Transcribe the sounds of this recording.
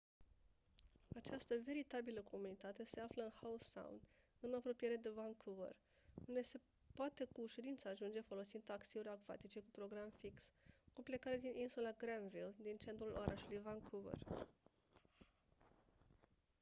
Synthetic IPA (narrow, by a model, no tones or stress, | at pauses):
at͡ʃast̪əve̞ɾit̪abiləkʰo̞munit̪at̪e̞se̞afləɨnhausa̰w̰nd̪ | ɨnapɾo̞pije̞ɾe̞d̪e̞vaŋkʰuvḛr | und̪e̞se̞ | poat̪e̞kuʃuɾint̪səːʒund͡ʒe̞fo̞lo̞sind̪akseuɾʲaɡva̰t̪it͡ʃe̞kupɾo̞ɡɾamfikskuple̞kaɾed̪inʔinsulaɡɾanvild̪int͡ʃe̞nt̪ɾulʔo̞̰ɾʔaʃulujvaŋkʰuvḛr